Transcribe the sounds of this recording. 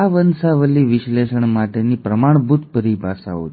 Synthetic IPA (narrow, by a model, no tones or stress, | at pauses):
aʋənsaʋəliʋiʃleʃəɳmaʈenipɾəmaɳ̃bʱut̪pəɾibʱasa̰ɦo̰t̪